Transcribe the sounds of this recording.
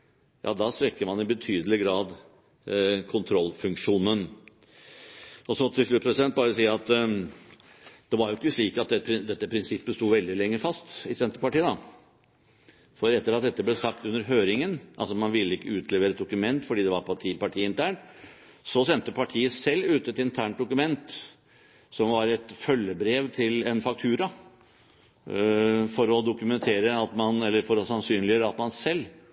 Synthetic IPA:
jʔɑ̰ːd̪ɑst̪ɾɛkːəmɑnɪbət̪ʰyːd̪əlɪɡɾɑːd̪ | kʰʊnt̪ʰɾɔlːfʉŋkʂuːnən | ɔsɔt̪ʰɪlʂɭʉːt̪̚pʰɾɛsɪd̪ɛnt̪̚bɑːɾəsiːɑt̪ | d̪̥ɛʋɑɾjʊɪkːəʂɭiːkɑt̪̚d̪ɛpʰɾɪd̪ɛt̪ːəpʰɾɪnsɪpːəst̪uːʋɛld̪ɪlɛŋːəfɑst̪ɪsɛnt̪əɾpɑʈiːəd̪ɑ | fɔɾɛt̪ːəɾɑt̪̚d̪ɛt̪ːəblɛsɑkt̪ʉnːəɾɦøːɾɪŋənʔɑ̰lsɔmɑnʋɪlːəɪkːəʉːt̪ʰlɛʋeːɾəɛt̪d̪ʊkʉmɛnt̪fɔɖiːd̪ɛʋɑɾpʰɑʈʰiːpɑʈʰiːɪnt̪ʰæːɳʈ | sɔsɛnt̪əpʰɑʈʰiːəsɛlːʉːt̪əɛt̪ɪnt̪ʰæːɳt̪̚d̪ʊkʉmɛnt̪ | sɔmʋɑɾɛt̪fœlːəbɾeːʋt̪ʰɪlɛnfɑk̚t̪ʰʉːɾɑ | fɔɾɔd̪ʊkʉmɛnt̪ʰeːɾəɑt̪mɑnɛlːəɾfɔɾɔsɑnsyːnlɪøːɾɑt̪mɑnsɛlː

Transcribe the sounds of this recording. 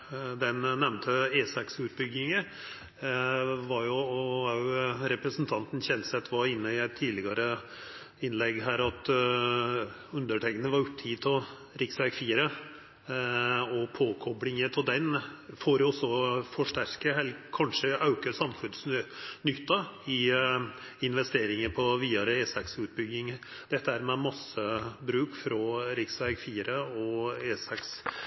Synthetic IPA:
d̪ɛnnɛmnt̪ʰəeːsɑksʉːt̪̚bʏɡɪŋə | ʋɑɾjʊɔʊɾɛpɾəsn̩t̪ʰɑnt̪n̩çɛnsɛt̪ʰːʋɑɾɪnːəɪæɪt̪ʰːiːlɪɡɑɾə | ɪnlɛɡːɦæːɾɑt̪ | ʉnd̪əʈɛkənəʋɑɾʉt̪ʰːiːt̪ʰɔ | ɾɪksæɪɡfiːɾə | ɔpʰoːkʰɔbɽɪŋət̪ʰɔd̪ɛnfoːɾɔsːɔfɔʂʈæɾkəɦɛlkʰɑnʂəʔɑʉkəsɑmfʉnsnʏt̪ːɑɪ | ɪnʋɛst̪eːɾɪŋəɾpʰɔʋiːɑɾəeːsɛksʉːt̪̚bʏɡːɪŋ | d̪̥ɛt̪ːəhæːɾmɛmɑsːəbɾʉːkfɾɔɾɪksʋæɡfiːɾəɔeːsɛks

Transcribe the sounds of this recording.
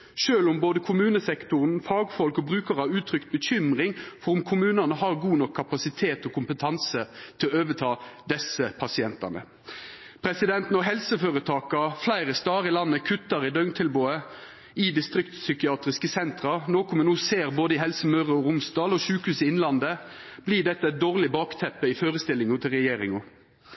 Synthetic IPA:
ʃøːlʊmboːd̪əkʰʊmʉːnəsɛkt̪ʊʁənfɑːɡfɔlkɔbʁʉːkəʁɑʋʉːt̪ʰɾʏkt̪̚bəçʏmʁɪŋfɔʁʊmkʰʊmʉːnɑnəɦɑːʁɡuːnɔkʰːɑpɑsɪt̪ʰeːt̪ɔkʰʊmpət̪ʰɑnsət̪ʰɪlɔøːʋət̪ʰɑːd̪ɛsəpʰɑsɪɛnt̪ɑ̰nə̰ | pʰʁɛsɪd̪ɛnt̪nɔɦɛlsəføːʁət̪ʰɑːkɑflæɪɾəst̪ɑːʁɪlɑnːəkʰʉt̪ːɑʁɪd̪œŋt̪ʰɪlboːə | ɪd̪ɪst̪ɾɪkt̪sʏkɪɑːt̪ɾɪskəsɛnt̪ʁɑnoːkʊmɛnuːseːʁboːd̪əɪɦɛlsəmœʁəɔɾʊmsd̪ɑːlɔʃʉːkhʉːsɪɪnlɑnd̪əb̥liːd̪ɛt̪ːəæɛt̪̚d̪oːʁlɪbɑːkt̪ʰɛpːəɪføːɾəst̪ɪlɪŋʊt̪ʰɪlʁɛjeːɾɪŋʊ

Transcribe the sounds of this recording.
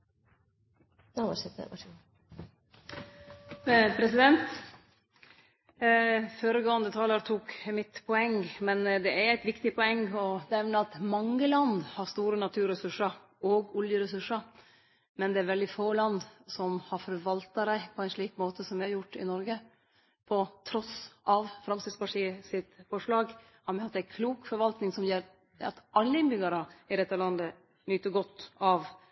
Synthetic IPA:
ʂɛt̪ə̰ɑ̰ | pʰɾɛsɪd̪ɛnt̪ | føːɾəɡoːənd̪ət̪ʰɑːləɾt̪ʰuːkmɪt̪pʰɔɛŋːmɛnd̪ɛæɾæɪt̪ʋɪkt̪ɪpʰɔɛŋːɔnɛɛʋnəɑt̪mɑŋːəlɑnd̪hɑɾst̪uːɾənɑt̪ʰʉːɾəsʉʂəɾ | oːɡɔljəɾəsʉʂəɾ | mɛnd̪ɛæɾʋɛld̪ɪfoːlɑnd̪sɔmhɑɾfɔɾʋɑlt̪ɑɾæɪpʰɔæɪnʂɭiːkmoːt̪əsɔmjæɑɾjʊʈːɪ̰nɔɾɡə | pʰɔt̪ʰɾɔsʔɑʋfɾɑmsɪd̪spɑʈiːəsɪt̪fɔʂɭɑːɡ | hɑmɑt̪ːæɪkʰluːkfɔɾʋɑlt̪nɪŋsɔmjeɾ | ɑ̰t̪ʔɑlːəɪnbʏɡɑɾəɪd̪ɛt̪ːəlɑnd̪ə | nyːt̪ːəɡɔt̪ːɑʋ

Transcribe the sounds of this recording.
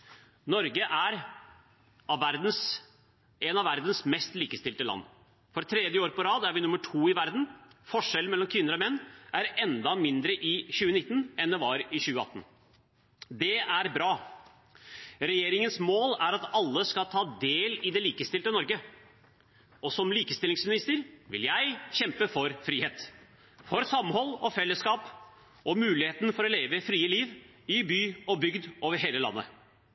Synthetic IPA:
nɔɾɡəʔæɾ | ɑʋʋæɾd̪n̩s | ɛnɑʋæɾd̪n̩smɛst̪liːkəst̪ɪlt̪əlɑ̰nː | fɔɾt̪ʰɾɛd̪jəoːɾpɔɾɑːd̪æɾʋɪnʉmːəʈʰuːɪʋæɾd̪n̩fɔʂɛlmɛlːɔmkʰʋɪnːəɾɔmɛnːʔæɾɛnd̪ɑmɪnd̪ɾəʔɪɕʉːənɪt̪ːn̩ɛnd̪ɛʋɑɾɪçʉːəɑ̰t̪ːn̩ | d̪ɛæɾbɾɑː | ɾɛjeːɾɪŋənsmoːlæɾɑt̪ɑlːəskɑt̪ʰɑːd̪eːlɪd̪ɛliːkəst̪ɪlt̪ənɔɾɡə | ɔsɔmliːkəst̪ɪlɪŋsmɪnɪst̪əɾʋɪ̰ljæɪɕɛmpəfɔɾfɾiːheːt̪ | fɔɾsɑmhɔlːɔfɛlːəskɑːp | ʔɔmʉːlɪheːt̪n̩fɔɾɔleːʋəfɾiːəliːʋ | ɪbyːɔbʏɡd̪ʔoːʋəɾɦeːləlɑ̰nːə̰

